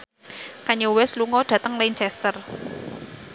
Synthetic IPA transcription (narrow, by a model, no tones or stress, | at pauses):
kaɲowɛsluŋɔɖ̥ä̤t̪əŋlant͡ʃɛst̪ər